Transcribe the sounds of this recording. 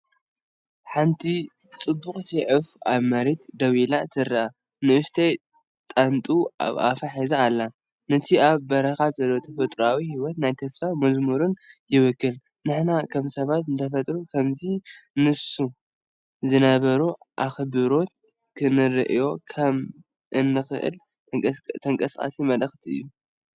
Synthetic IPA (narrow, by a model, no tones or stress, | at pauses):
ħant̪ʰi | t͡sʼɨbːuxʼsiʕɨfʔaβmɐɾet̪d̪ɐwilat̪ʰɨɾaʔa | nɨʔɨʃt̪ʰɐj | t̪ʼant̪ʼua̰faħizaːlːa | nɐt̪ʰiʔaβbɐɾɐxat̪zɐlːot̪ʰɐfɐt̪ʼɾawihiwɔt̪najt̪ʰɐsfamɐzmɨɾunjɪβɨkːɨl | nɨħnakʰɐmsɐβat̪ɨnt̪ʰɐfɐt̪ʼɾukʰɐmzinɨsu | zɨnɐβɐɾu | ʔaxbɨɾo̞t̪̚ | kʰɨnɨɾɨʔjo̞kʰɐm | ʔɨnːɨxɨ̰ʔɨ̰lʼ | t̪ʰɐŋkʼɐskʼa̰simɐlɐxt̪ʰiɨ̰jːu